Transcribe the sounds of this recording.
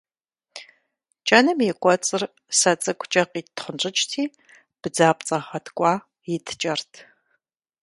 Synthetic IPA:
t͡ʃʼɐnɨmjɛkʷʼɔt͡sʼɨr | sɐt͡sʼɨkʷʰʼt͡ʃʼɐqiːtʰχənʈ͡ʂʼɪt͡ʃʼtʰiː | b̥ɨd͡zaːpʼt͡sʼɐχɐtʰkʷʼɑː | jɪtʰt͡ʃʼɐrtʰ

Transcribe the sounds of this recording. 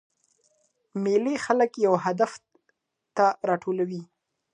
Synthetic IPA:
melexaləkjawɦad̪af | t̪aɾɑʈʰolawi

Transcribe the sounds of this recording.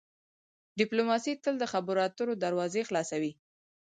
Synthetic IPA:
ɖɪplomɑsit̪əld̪əxabʊɾɑt̪uɾod̪aɾwɑzexlɑsawi

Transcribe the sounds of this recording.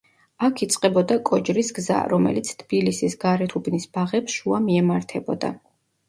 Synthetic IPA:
akʰit̪sʼqʼɛbɔd̪akʼɔd͡ʒɾisɡza̰ɾɔmɛ̰lit̪sʰt̪ʰb̥ilisisɡaɾɛt̪ʰubnisb̥aʁɛpsʃuamiɛmaɾt̪ʰɛbɔd̪a̰

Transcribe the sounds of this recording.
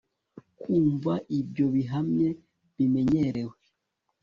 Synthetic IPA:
kʰuːɱvaʔibɟo̞βiɦamɲe̞ | βime̞ɲe̞ɾe̞we

